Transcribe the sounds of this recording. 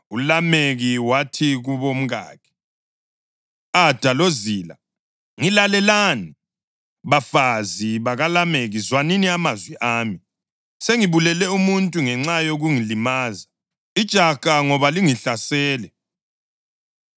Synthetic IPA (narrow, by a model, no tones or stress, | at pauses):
ulameɣiwatʰiɣuβom̩ɣa̰ːkʰɛ̥ | ad̥ʱaloziːla̰ | ŋilalɛlani | βafaziβaɣalameɣizwaniniamazwiʔaːmi | seŋiβulɛlɛumuntʼuŋɛŋ͡ǁajoɣuŋilimaːza | id̥ʒ̥ʱakʼaŋɔβaliŋiɬasɛːlɛ